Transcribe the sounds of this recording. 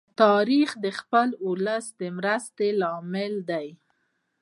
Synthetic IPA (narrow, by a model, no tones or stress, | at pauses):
t̪ɑɾixd̪əxpəlʊləsd̪əmɾast̪elɑmɪld̪aj